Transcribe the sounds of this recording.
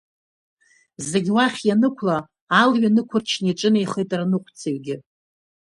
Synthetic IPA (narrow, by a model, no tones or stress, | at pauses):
ze̞ɡʲwaχʲjanɨkʷʰlaː | lɥanɨkʷʰʊrt͡ʃʰniʈ͡ʂʼɨnejχejtʼranɨqʷʰt͡sʰeɥɡʲɪ